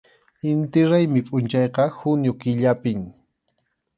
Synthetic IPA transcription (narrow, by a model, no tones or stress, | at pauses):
ɪnt̪ɪɾajmɪpʼʊnt͡ʃɑjqɑhʊnjʊkɪʎapɪŋ